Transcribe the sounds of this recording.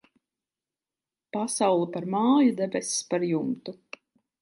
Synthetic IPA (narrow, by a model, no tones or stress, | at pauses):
pasawlˠipaɾmaːjud̪ɛbɛsi̥spaɾjumt̪u